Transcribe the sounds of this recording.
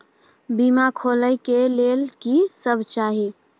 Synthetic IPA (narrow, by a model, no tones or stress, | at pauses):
bimakʰoləjkelelkisəbʱt͡ʃaɦi